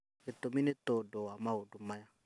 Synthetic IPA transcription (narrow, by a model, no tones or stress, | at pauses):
etominetodowamaodumaja